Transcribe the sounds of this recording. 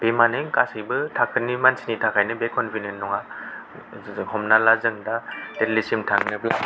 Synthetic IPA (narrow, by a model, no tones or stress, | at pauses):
b̥emanɯŋkasɯjbɯtʰakʰɯnimansinitʰakʰajnɯbekɔnpʰinenːɔŋa | hɔmnalazɯŋdatetlisimtʰaŋnɯbla